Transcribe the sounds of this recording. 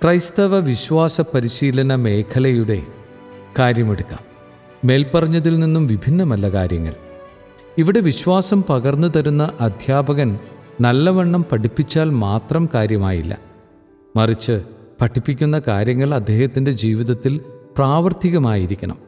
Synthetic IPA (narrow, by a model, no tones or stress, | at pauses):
krɐjst̪ɐʋɐʋiɕʋaːsɐpɐɾiɕiːlɐnɐme̞ːkʰɐlɐjuɽe̞̰ | kaːɾjɐmeɽukːa̰ːmː | e̞ːlpɐrɐɲːɐðilninːumʋibʱinːɐmɐlːɐka̰ːɾjɐŋːɐ̰ɭ | iʋiɽe̞ʋiɕʋaːsɐmpɐɣɐrnːut̪ɐɾunːɐʔɐd̪ʱjaːbɐɣɐnnɐlːɐʋɐɳːɐmpɐʈipːit͡ɕːaːlmaːt̪rɐmkaːɾjɐmaːjilːɐ̰ | mɐrit͡ɕːɨpɐʈʰːipːikʲːun̪ːɐkaːɾjɐŋːɐɭɐd̪ʱːe̞ːhɐt̪ːinde̞d͡ʑiːʋiðɐt̪ːilpraːʋɐrt̪iɣɐmaːjiɾikʲːɐɳɐ̰m